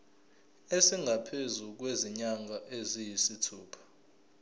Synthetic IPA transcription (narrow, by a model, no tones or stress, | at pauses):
esiŋɡʱapʰezuk̬weziɲaŋɡʱaʔezijisitʰuːpʰḁ